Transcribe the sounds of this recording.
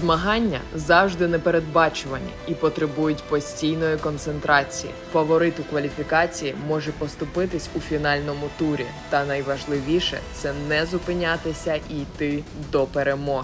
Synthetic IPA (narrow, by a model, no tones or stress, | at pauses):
zmɐɦɑnʲːɐ̰zɑwʒd̪ɪnɛpeɾed̪̚bɑt͡ʃʊʋɐnʲɐ̰ipɔt̪ɾɪbujʊtʲpɔsʲtʲijnɔjikɔnt̪sent̪ɾɑt͡sʲijḭfɐʋɔɾɪt̪ʊkʋɐlʲifʲikɑt͡sʲijimɔʒɛpɔst̪ʊpɪt̪ɪsʲufʲinɑlʲnɔmʊt̪uɾʲḭ | t̪ɐnɐjʋɐʒlˠɪʋʲiʃɛ̰t̪sɛnɛzʊpɪnʲat̪ɪsʲɐʔijt̪ɪd̪ɔpeɾemɔɦ